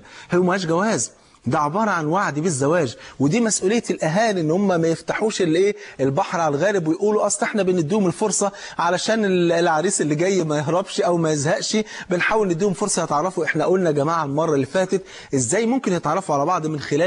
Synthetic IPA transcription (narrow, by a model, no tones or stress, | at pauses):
heːmæhæːʃɡæwæːz | d̪æʕebɑːɾˤɑʕanwaʕd̪ibezːæwæːd͡ʒwed̪iːmæsʔuːlejːælʔæɦæːlʔenːhomːæmæjeft̪aħuːʃelʔeːʔelbɑħɾʕalɣæːɾɪbwejʔuːluʔɑsˤʔeħnæbened̪ːiːhomelfoɾsˤɑʕalæʃæːnelʕaɾiːselːiɡæjːmæjeɦɾˤɑbʃʔæwmæjezhæʔʃibenħaːwelnɪd̪ːiːhomfoɾsˤɑjet̪ʕɑrˤːɑfuʔeħnæʔoːlnæɡæmaːʕalmɑrˤːɑlːifæːt̪et̪ | ʔezːæːjmomkenjet̪ʕɑrˤːɑfʕalæbɑʕd̪ˤmenxelæː